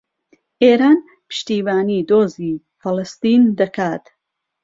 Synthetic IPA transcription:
ʔeːɾaːn | pɨ̥ʃt̪iːvaːniːd̪oːziː | fɨlɨst̪ind̪ɐkaːt̪

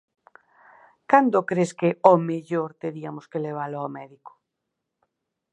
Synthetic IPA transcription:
kand̪okɾeskeomeʎoɾt̪eɾiamoskeleβ̞aloawmɛðiko̥

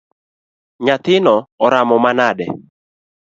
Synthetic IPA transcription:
ɲat̪ɪnɔɔɾamɔmanadɛ̰

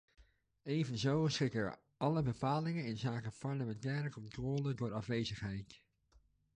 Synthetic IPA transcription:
ejvənzowsrɪkə̰ɹ | ɑləbəpaːlɪŋənɪnzaːkəpɑɹləmɛntɛːɾəkɔntrɔːlədʊːɹɑfʋejzəχɦɛjt

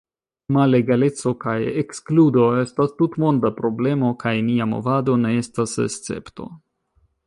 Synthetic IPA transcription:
male̞ɡale̞t͡so̞kajekskludo̞e̞stastutmo̞ndapɾo̞ble̞mo̞kajniamo̞̰vado̞ne̞e̞stasḛst͡se̞̰pto̞̰

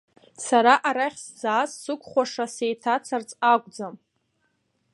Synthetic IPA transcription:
saɾaʔaɾaχʲsd͡zaːzsɨkʷʼχʷaʂasejtʰat͡sʰart͡sʼakʷʼd͡zam

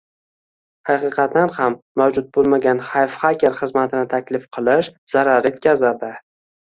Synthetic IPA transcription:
hɑqɨqʰɑt̪̚ːanhamːawd͡ʒʊt̪̚bolˠmaɡʲanχajfχakʲeɾχɨzmat̪ʰɪnɪt̪ʰakʲlɪfqʰɨlˠɪʃz̥aɾaɾe̞t̪̚kʲʰazad̪ɪ

